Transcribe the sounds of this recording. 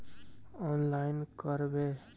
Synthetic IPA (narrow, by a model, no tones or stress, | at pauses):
ɔnlaɪnkəɾbe